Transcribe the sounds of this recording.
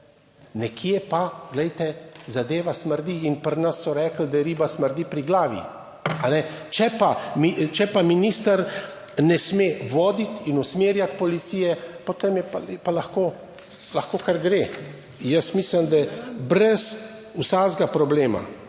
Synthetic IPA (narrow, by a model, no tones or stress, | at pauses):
nɛkʰjɛpaɡlɛjt̪ɛzad̪eːʋasməɾd̪iːnpəɾnɐsːɔɾɛːkl̩d̪ajɛɾiːbasməɾd̪ipɾiɡlaːʋḭ | anɛt͡ʃɛpamit͡ʃɛpaminiːst̪əɾ | nɛsmeʋɔːd̪it̪inusmeːɾjat̪pɔlit̪siːjɛpɔt̪emjɛpɛpalaxkoː | laxkoːkaɾɡɾe | jəsmisləmd̪ajɛbɾɛs | usaːzɡapɾɔbleːma̰